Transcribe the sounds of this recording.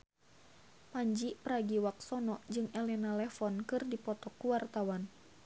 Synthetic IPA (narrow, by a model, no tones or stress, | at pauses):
paɲd͡ʒiʔpɾaɡiwak̚sɔnɔʔd͡ʒɨŋɛlɛnalɛfɔnkɨrdipɔt̪ɔkːuwart̪awan